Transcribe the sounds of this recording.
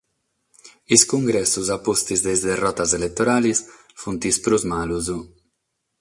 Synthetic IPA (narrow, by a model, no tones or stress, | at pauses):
iskuŋɡɾɛsːuzapost̪izd̪ezd̪erɔt̪azelet̪ːoɾaːlis | funt̪ispɾuzmaluzu